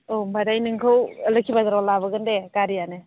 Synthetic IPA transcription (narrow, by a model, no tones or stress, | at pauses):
ombadajnɯŋkʰɯwləkʰibad̪ɾɔlabɯɡɯndekaɾijanɯ